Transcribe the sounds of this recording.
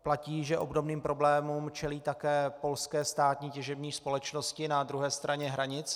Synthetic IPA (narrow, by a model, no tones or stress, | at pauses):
placiːʒɛʔo̞̰bdo̞bniːmpɾo̞blɛːmumt͡ʃɛliːt̪akɛːpo̞lskɛːst̪aːt̪ɲiːcɛʒɛbɲiːspo̞lɛt͡ʃnoscɪnad̪ɾuɦɛːst̪ɾaɲɛɦɾaɲɪt͡s